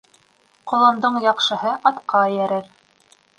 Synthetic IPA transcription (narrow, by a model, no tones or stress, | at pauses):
qŏlˠɤ̆nd̪ɤɴjɑqʃɤ̆ɦɤʔɑt̪qɑjæɾɘɾ